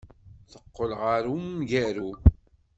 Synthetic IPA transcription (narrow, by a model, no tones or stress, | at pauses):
θəqːəlʁaɾumʝæɾu